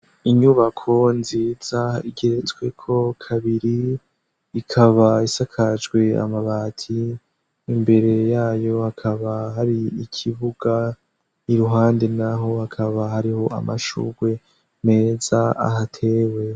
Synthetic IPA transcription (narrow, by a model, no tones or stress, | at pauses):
iɲuβakʰo̞nziːz̥aiɡe̞ɾet͡swe̞kʰo̞kʰaβiɾiː | kʰaβaisakʰad͡ʒɡwe̞a̰maβaːtʰiː | mbe̞ɾe̞jaːjo̞hakʰaβaɦaɾiikʰiβuɡ̥a | iɾuɦaːnde̞naɦo̞hakʰaβaɦaɾiho̞ʔa̰maʃṵɡwe̞ | me̞ːzaa̰ɦatʰe̞we̞